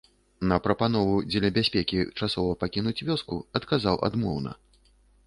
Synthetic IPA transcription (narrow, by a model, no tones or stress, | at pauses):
nɐpɾɐpanɔvud͡zʲɛlʲɐbʲasʲpʲɛkʲit͡ʂasɔvɐpakʲinut͡sʲvʲɔskuɐt̪kazawʔa̰d̪mɔ̰wnɐ̰